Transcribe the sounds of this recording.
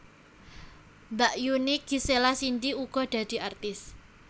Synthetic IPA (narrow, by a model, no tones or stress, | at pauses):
mbaʔjunɪk̚ɡ̥iselasindiuɡ̥ɔ̤d̪̥ä̤d̪̥i̤art̪ɪs